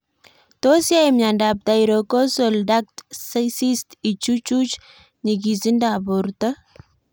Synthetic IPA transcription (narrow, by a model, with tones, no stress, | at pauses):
t̪o˦sja˦emɲa˨ndab̚d̪a˨iɾoko˦solda˦k̚tsəsi˦st̪i˨t͡ʃu˦t͡ʃut͡ʃ | ɲiɡizi˦ndabo˨ɾt̪ə˦